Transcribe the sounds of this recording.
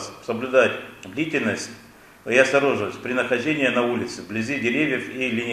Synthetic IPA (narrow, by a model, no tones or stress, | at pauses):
ssəblʲʊd̪atʲd̪lʲitʲɪlʲnəsʲt̚ʲ | iɐst̪ɐɾo̞ʐɨləsʲt̪̚ʲpɾʲɪnəxɐʒdʲenʲɪjənɐulʲɪt̪sɨblʲɪzʲidʲɪɾʲevʲjəfilʲɪnʲɪ